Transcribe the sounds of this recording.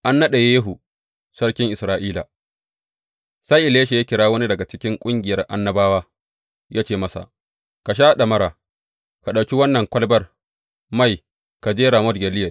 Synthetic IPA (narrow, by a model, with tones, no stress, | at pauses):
ʔa˦nːɐ˦ɗe˨jeː˦ɦu˨ | sɐ˦rkʲɪ˦ŋʔɪ˨sɾaː˨ʔiː˦la̰˨ | saː˦ʔɪ˨leː˦ʃa˨ja˦kʲɪ˨ɽaː˦wɐ˦ni˦dɐ˨ɡa˨t͡ʃɪ˦kʲɪ˦ŋkʷʼʊ˦ŋɡʲɪ˨jɐ˦rʔa̰˦nːɐ˦baː˦waː˦ | jʔaː˦t͡ʃeː˦˨mɐ˦sa̰˨ʔ | ka˨ʃ̬aː˦ɗa˨mɐ˦ɾaː˨ | ka˨ɗa˨wkʲi˦wɐ˦nːɐ˨ŋkʷɐ˦lbɐ˦r | ma˦˨j | ka˨d͡ʒeː˦ɾa˨mɔ˦dɡʲɛ˨lɪ˦jɐ˨